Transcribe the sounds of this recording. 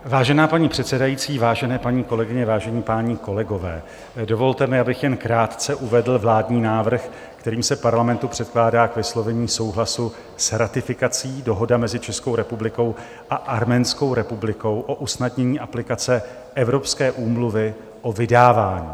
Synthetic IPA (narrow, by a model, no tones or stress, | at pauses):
vaːʒɛnaːpaɲiːpr̝̥ɛt̪sɛdajiːt͡siːvaːʒɛnɛːpaɲiːko̞lɛɡɪɲɛvaːʒɛɲiːpaːɲiːko̞lɛɡo̞vɛ̰ː | do̞vo̞lt̪ɛmɪabɪxjɛnkɾaːt̪t͡sɛʔuvɛdl̩vlaːdɲiːnaːvr̩x | kt̪ɛɾiːmsɛpaɾlamɛnt̪upr̝̥ɛt̪̚klaːdaːkvɪslo̞vɛɲiːso̞wɦlasu | sɾat̪ɪfɪkat͡siːdo̞ɦo̞damɛzɪt͡ʃɛskowɾɛpublɪko̞w | ʔaʔaɾmɛːnsko̞wɾɛpublɪko̞wʔo̞ʔusnadɲɛɲiːʔaplɪkat͡sɛ | ʔɛvɾo̞pskɛːʔuːmluvɪ | ʔo̞vɪdaːvaːɲḭː